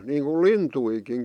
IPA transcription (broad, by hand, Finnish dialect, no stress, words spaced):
niːŋku lintuikin